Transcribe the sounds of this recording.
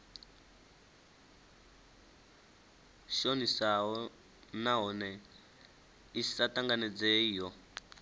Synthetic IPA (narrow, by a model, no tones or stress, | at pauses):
ʃonisaɦɔ | naɦɔnɛ | isataŋɡanɛd͡zɛjɔ